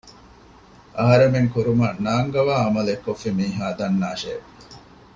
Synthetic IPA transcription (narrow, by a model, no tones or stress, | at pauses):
ʔɐɦɐɾemeŋkuɾumɐnaːŋɡɐʋaːɐmɐlekːofːimiːɦaːd̪ɐnːaːʃḛː